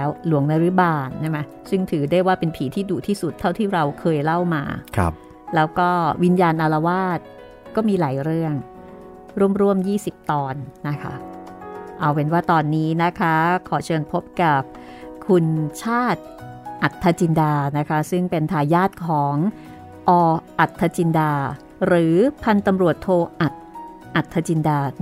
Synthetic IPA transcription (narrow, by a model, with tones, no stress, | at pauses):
ɛ˦˥wlu˨˩˦əŋna˧˥ɾɯ˦˥baː˧˩nt͡ɕʰɛ˥˩ma˦˥j | sɯ˥˩ŋt̪ʰɯː˩˦da˥˩jwaː˥˩pe˧npʰiː˩˦t̪ʰiː˥˩duː˨˩t̪ʰiː˥˩su˨˩t̪ʰːa˥˩wt̪ʰiː˥˩ɾa˧wkʰɤː˧jla˥˩wmaː˧k̚ʰ | lɛː˦˥wkɔː˥˩wi˧njaː˧nʔa˧la˧waː˥˩t̪̚ | kɔː˥˩miː˧laː˩˦jɾɯ˥˩əŋ | ɾu˥˩əmɾu˥˩əmjiː˥˩si˨˩p̚t̪ɔː˧nːa˦˥kʰa̰˦˥ | ʔa˧wpe˧nwaː˥˩t̪ɔː˧nːiː˦˥na˦˥kʰa˦˥kʰɔː˩˦t͡ɕʰɤː˧npʰo˦˥p̚ka˨˩p̚ | kʰu˧nt͡ɕʰaː˥˩t̪̚ʔa˨˩t̪ʰːa˧t͡ɕi˧ndaː˧na˦˥kʰa˦˥sɯ˥˩ŋpe˧nt̪ʰaː˧jːaː˥˩t̪̚kʰɔː˩˦ŋ | ʔɔː˧ʔa˨˩t̪ʰːa˧t͡ɕi˧ndaː˧ | ɾɯː˩˦pʰa˧nt̪a˧mɾu˨˩ət̪ʰːoː˧ʔa˨˩t̪̚ | ʔa˨˩t̪ʰːa˧t͡ɕi˧ndaː˧